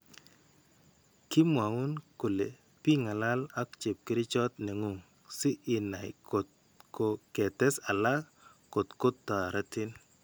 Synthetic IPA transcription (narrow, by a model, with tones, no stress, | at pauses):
kɪ˦mwa˨ʊ˦nko˨le˨ | pi˦ŋa˨la˦la˦kt͡ʃe˨p̚kɪ˦ɾɪ˦t͡ʃɔ˦t̪nɛ˨ŋo˨ŋ | sɪ˦ʔɪ˨na˨j | ko˨kɛ˨tɛ˦sa˨la˦ | ko˨tko˦tːa˨ɾa˦tɪ˦n